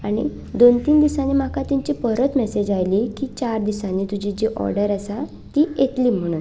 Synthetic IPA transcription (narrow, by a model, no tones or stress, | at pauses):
aɽ̃ḭ | d̪ont̪iːnd̪isanimakʰat̪iɲt͡ɕipəɾət̪mɛsed͡ʑajliːkiːt͡ɕaɾd̪isaniːt̪ud͡ʑid͡ʑiʔɔ̰ɾɖəɾəsa | t̪ijet̪liːm̤əɽ̃uːn